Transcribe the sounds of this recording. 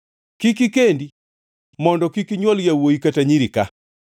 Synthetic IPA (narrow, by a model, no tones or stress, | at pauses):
kikikendi | mɔndɔkikiɲwɔljawoikataɲiɾika